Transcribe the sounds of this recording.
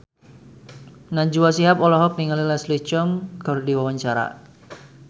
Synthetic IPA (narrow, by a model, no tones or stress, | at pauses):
naɲd͡ʒuwasiɦapɔlɔɦɔk̚niŋalilɛslit͡ʃɔŋɡɔɾdiwawaɲt͡ʃaɾa̰